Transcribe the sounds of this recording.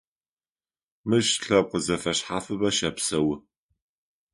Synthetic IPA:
mɨʃɬɐp̚qəzɐfɐɕħaːfɨbɐʃɐpsɐwɪ

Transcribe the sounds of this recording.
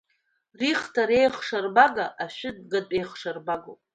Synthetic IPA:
riχtʰaɾe̞jχʂarbaɡaʔaʃᶣɪdɡatʼejχʂarbaɡopʼ

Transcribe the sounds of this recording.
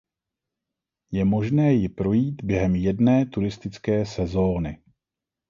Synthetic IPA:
jɛmo̞ʒnɛːjɪpɾo̞jiːt̪bjɛɦɛmjɛdnɛːt̪uɾɪst̪ɪt͡skɛːsɛzo̞ːnɪ

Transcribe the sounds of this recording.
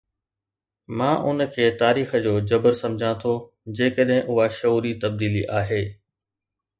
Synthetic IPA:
mãːʔʊ̰nə̆kʰeːt̪aːɾiːxə̆d͡ʑoːd͡ʑɐbəɾsɐ̃md͡ʑʱãt̪ʰo | d͡ʑeːkəɗɦɪ̃ʔʊɦaʃɐuːɾit̪ɐb̚d̪iːliʔaːɦeː

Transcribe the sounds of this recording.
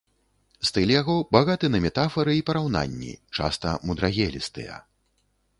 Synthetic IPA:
st̪ɨlʲjaɣɔbaɣat̪ɨnɐmʲɛt̪afɐɾɨipɐɾawn̪a̰nʲːḭt͡ʂa̰st̪ɐmud̪ɾaɣʲɛlʲist̪ɨ̰jɐ̰

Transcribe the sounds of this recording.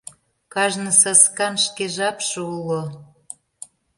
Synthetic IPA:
kɑʒnɤ̆sɑskɑnʃkeʒɑpʃəulo

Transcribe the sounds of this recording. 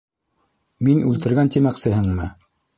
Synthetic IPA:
minʉlt̪ɘ̆ɾɡænt̪imæksɘ̆hɘŋmɘ

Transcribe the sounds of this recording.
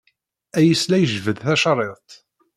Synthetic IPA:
æjəslæjəʒvəðθæʃɑrˤeðˤt̪

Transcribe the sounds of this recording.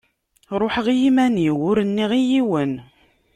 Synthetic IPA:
ɾˤoħəʁjimæniwʊɾənːiʁijiwən

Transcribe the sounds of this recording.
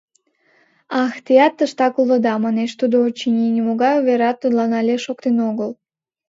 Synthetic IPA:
ɑxt̪ejɑt̪ːəʃt̪ɑkulˠə̆d̪ɑmɑneʃt̪ud̪oot͡ɕːinʲenʲimoɡɑjuvʲeɾɑt̪ːəd̪lˠɑnɑlʲeʃokt̪enoɣəlˠ

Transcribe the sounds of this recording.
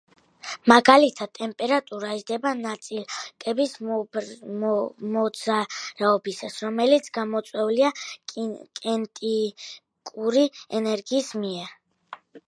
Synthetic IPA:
maɡalit̪ʰad̪̚t̪ːʼɛmpʼɛɾat̪ʼuɾaiʒd̪ɛbanat̪sʼilkʼɛbis | mɔd̪z̥aɾaɔbisasɾɔmɛlit̪sʰɡamɔt̪sʼwɛulia | kʼɛnt̪ʼi | kʼuɾiɛnɛɾɡiːsmiɛɾ

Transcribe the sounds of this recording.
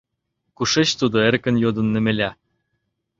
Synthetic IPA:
kuʂet͡ɕt̪ud̪oeɾkɘ̆njod̪ɤ̆nːĕmĕlʲæ

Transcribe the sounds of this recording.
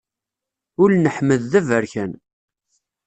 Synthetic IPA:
ʊlnəħməðːævəɾçæn

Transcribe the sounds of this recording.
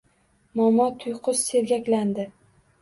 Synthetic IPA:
mɒmɒt̪ʰʊjqʰʊsseɾɡʲakʲland̪ɪ

